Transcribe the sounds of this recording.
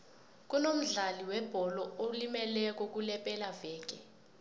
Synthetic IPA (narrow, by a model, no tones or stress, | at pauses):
k̬ʼunom̩ɮaliwɛb̥ʱɔlɔolimɛlɛk̬ʼɔk̬ʼulɛpʼɛlavɛːk̬ʼɛ